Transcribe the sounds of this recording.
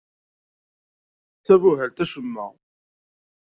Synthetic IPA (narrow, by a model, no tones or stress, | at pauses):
t͡sːævʊɦælt̪æʃəmːæ̰